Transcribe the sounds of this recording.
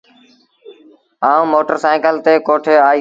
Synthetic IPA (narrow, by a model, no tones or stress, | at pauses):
aːũːmoːʈəɾsaːɪkəlt̪eːkoːʈʰeːaːiː